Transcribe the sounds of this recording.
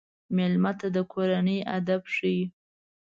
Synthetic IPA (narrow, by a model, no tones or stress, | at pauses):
mɪlmat̪ad̪əkʰoɾanəja̰d̪abʂiji